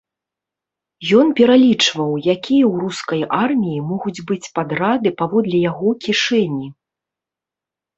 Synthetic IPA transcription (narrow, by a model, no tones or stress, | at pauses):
jɔnpʲɛɾalʲit͡ʂvɐwjakʲijɐwruskɐjʔarmʲijimɔɣud͡zʲbɨt͡sʲpad̪rad̪ɨpavɔd̪lʲɛjaɣɔkʲiʂɛnʲi